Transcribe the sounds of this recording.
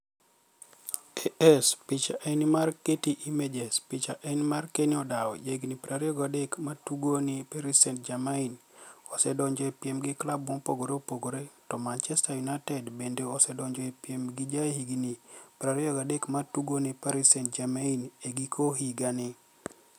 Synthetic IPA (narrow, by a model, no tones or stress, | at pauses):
eɛspit͡ʃaʔenimarketiʔimed͡ʒɛspit͡ʃaʔenmarkeniɔdaɔ̰d͡ʒaiɡinipɾaɾiɔɡadekmatuɡonipeɾisɛnt̚d͡ʒamainɔsɛdɔɲd͡ʒɔɛpiɛmɡɪklabɔŋpoɡoɾeopoɡoɾetɔmant͡ʃɛstajunatɛdbendeɔsɛdɔɲd͡ʒɔɛpiɛmɡid͡ʒaehiɡinipɾaɾioɡadekmatuɡonipaɾisɛnt̚d͡ʒamaineɡikʰoɦiɡanɪ